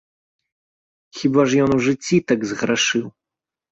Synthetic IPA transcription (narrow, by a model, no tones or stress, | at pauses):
xʲibaʐjɔnwʐɨt͡sʲːit̪aɡzɣɾaʂɨw